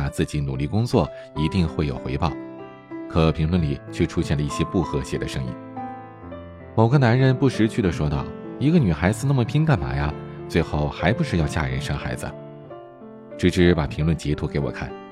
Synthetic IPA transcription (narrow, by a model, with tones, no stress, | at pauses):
a˨˩t͡sɹ̩˥˩t͡ɕi˧˥nu˨˩li˥˩kʊ˥ŋt͡swɔ˥˩ | i˧˥t̪i˥˧ŋxwe˥˩ɪjo˨˩ʊxwe˧˥ɪpɑ˥˩ʊ | kʰɤ˨˩pʰi˧˥ŋlwə˥˩nli˨˩t͡ɕʰɥɛ˥˩ʈ͡ʂʰu˥ɕjɛ˥˩nlə˩i˥˩ɕjɛ˥pu˥˩xɤ˧˥ɕjɛ˨˩d̪ə˦ʂɤ˥ŋḭ˥˩n | mo˨˩ʊɡə˧na˧˥nɻə˧˥npu˥˩ʂɻ̩˧˥t͡ɕʰy˥˩d̪ə˩ʂwɔ˥t̪ɑ̰˥˩ʊi˧˥ɡə˧ny˨˩xa˧˥ɪd͡zɹ̩˧na˥˩mə˩pʰi˥ŋka˥˩nma̰˨˥ja˥˧t͡swe˥˧ɪxo˥˩ʊxa˧˥ɪpu˧˥ʂɻ̩˥˧jɑ˥˧ʊt͡ɕja̰˥˩ɻə̰˧˥nʂɤ˥ŋxa˧˥ɪd͡z̩̰˧ | ʈ͡ʂɻ̩˧˥˩ʈ͡ʂɻ̩˧˥pa˨˩pʰi˧˥ŋlwə˥˩nt͡ɕjɛ˧˥t̪ʰu˧˥ke˧˥ɪwɔ̰˨˩kʰa˥˩n